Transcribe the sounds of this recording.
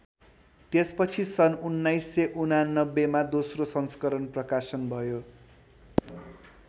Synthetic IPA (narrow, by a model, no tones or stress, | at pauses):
t̪espʌt͡sʰisʌnunːajsːeʔunanːʌbːemad̪osrosʌnskʌɾʌnprʌkasʌnbʱʌjo